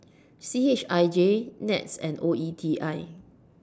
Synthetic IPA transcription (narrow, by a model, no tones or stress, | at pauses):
siet͡ʃaɪd͡ʒenɛ̰tsɛ̰̃noitʰiʔaɪ